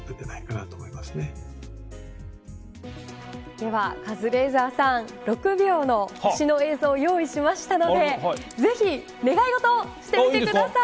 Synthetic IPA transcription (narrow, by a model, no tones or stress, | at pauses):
t̪et̪enaikanat̪oːmoimasɨne̞ | d̪̥e̞βakazɨɾe̞ːzaːsãɴn | ɾo̞kɯ̟bʲjo̞ːno̞ɕino̞e̞ːzoːjo̞ːiɕimaɕi̥t̪ano̞d̪e̞ze̞çʲi | ne̞ɡaiɡo̞t̪o̞ːɕi̥t̪eiekɯd̪asa